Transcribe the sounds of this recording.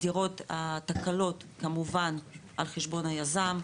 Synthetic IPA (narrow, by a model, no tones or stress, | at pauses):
iʁo̞t̪at̪akalo̞tkamuvanʔalχeʃbo̞nhajazam